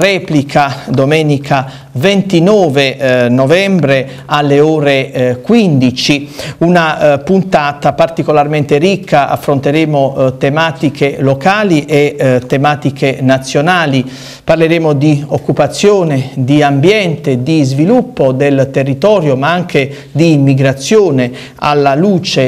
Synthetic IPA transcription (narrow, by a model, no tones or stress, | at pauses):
ɾɛːplikʰad̪omɛːnikʰa | vent̪inɔːvenovɛmbɾe | alːeɔːɾekwind̪it͡ʃiunapunt̪aːt̪apart̪ikolarment̪eɾikʰːaʔa̰fːɾont̪eɾeːmot̪emaːt̪ikʰelokaːliʔet̪ːemaːt̪ikenat̪sːjonaːli | parleɾeːmod̪iokːupat̪sːjoːned̪iambjɛnt̪ed̪izvilupːod̪elt̪erːit̪ɔːɾjomaaŋke | d̪iːmːiɡɾat̪sːjoːne | a̰lːaluːt͡ʃe